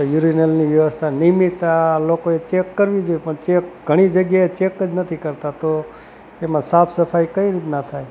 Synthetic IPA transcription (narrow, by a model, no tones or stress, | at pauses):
juɾinəlniʋjəʋəst̪ʰanimit̪alokoet͡ʃekːəɾʋid͡ʒojpəɳt͡ʃekɡʱəɽ̃id͡ʒəɡjaet͡ʃekːəd͡ʒnət̪ʰikəɾt̪at̪o | emãsapsəfʰajkəiɾit̪nat̪ʰaj